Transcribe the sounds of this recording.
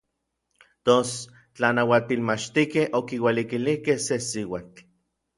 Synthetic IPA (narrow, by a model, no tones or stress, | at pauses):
t̪os | t͡ɬanawat̪ilmat͡ʃt̪ikehʔokiwelikilihkehsesiwat͡ɬ